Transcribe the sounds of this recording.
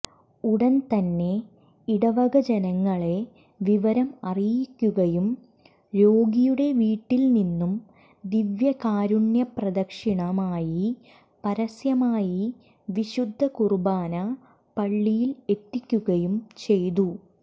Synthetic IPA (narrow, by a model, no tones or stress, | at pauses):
uɽɐnt̪ɐnːe̞ | iɽɐʋɐɡɐd͡ʑɐnɐŋːɐɭe̞ | ʋiʋɐɾɐmɐrijjikʲːuɣɐjum | ɾoːɡijuɽe̞ʋiːʈːilninːum | d̪iʋjɐkaːɾuɳjɐprɐd̪ɐkʂiɳɐmaːji | pɐɾɐsjɐmaːji | ʋiɕud̪ʱːɐkurubaːnɐ | pɐɭːijile̞t̪ːikʲːuɣɐjumt͡ɕe̞jt̪u